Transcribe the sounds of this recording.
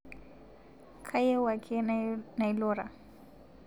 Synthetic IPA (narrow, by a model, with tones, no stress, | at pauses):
kʰa˦jɛ˦wa˨kʰɪ˦na˨i˦lʊːɾa˨